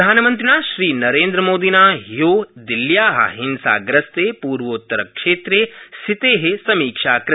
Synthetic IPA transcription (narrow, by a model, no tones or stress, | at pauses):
aːnɐmɐnt̪̬ɾinaːʃɾiːnɐɾeːnd̪ɾɐmoːd̪inaːɦijoːd̪iljaːɦɐ̰ɦinsa̰ːɡɾɐst̪eːpuːɾʋɐut̪ːɐɾɐkʂeːt̪ɾesit̪eːɦesɐmiːkʂaːkɾ